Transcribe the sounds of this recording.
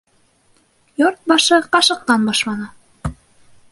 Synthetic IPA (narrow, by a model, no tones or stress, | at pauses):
joɾt̪̚bɑʃɤqɑʃɤ̆q̚t̪ɑnbɑʃlɑnɤ